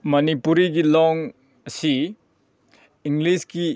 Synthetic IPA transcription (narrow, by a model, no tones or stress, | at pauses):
mɐnipuɾiɡilɔŋ | ɐsi | iŋɡliski